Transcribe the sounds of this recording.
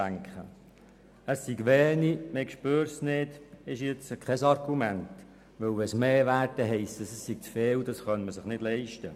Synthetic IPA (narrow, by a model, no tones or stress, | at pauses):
æŋkχə̰ | əsːiɡʋɛːnimekʃpøːɾsnɪd̥ɪʃjɪt͡səkʰχɛsɑɾɡumɛnt | ʋɵwʋɛsmeːʋæːrtəɦɛɪstəsəsːiɡ̚t͡sfeːwdɑsχœnməsɪχnɪdlɛɪʃtə